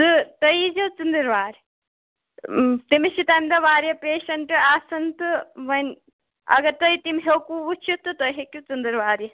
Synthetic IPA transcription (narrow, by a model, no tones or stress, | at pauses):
t̪ɨt̪ɐjid͡ʒɐt͡sɨnd̪ɨɾʋaːɾʲ | t̪imiʃit̪aːmd̪ɐʋaːɾjɐpeːʃɐɳʈɨaːsɐnt̪ɨʋɐnʲ | ɐ̰ɡɐɾt̪ɐit̪imɦekuʋut͡ʃʰit̪ɨt̪ɐɦekʲjut͡sɨnd̪ɨɾʋaːɾjɐ